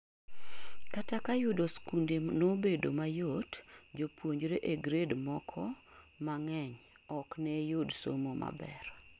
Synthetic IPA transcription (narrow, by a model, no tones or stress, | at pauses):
katakajudoskundemnobedo̰majotd͡ʒopwoɲd͡ʒɾeʔeɡɾedmɔkʰɔ | maŋɛɲ | ɔknɛjodso̰momʔa̰bɛ̰ɾ